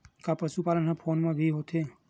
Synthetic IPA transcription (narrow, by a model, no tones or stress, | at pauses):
kapəʃupaːlənɦãpʰoːnmãbʱiɦot̪ʰe